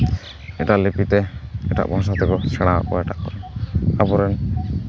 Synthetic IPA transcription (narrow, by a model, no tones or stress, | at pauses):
ɛʈalipit̪ɛɛʈa̰ʔbʱɔ̃sat̪ɛkɔsɛɽ̃aa̰kɔɛʈaʔkɔɾɛapɔɾɛn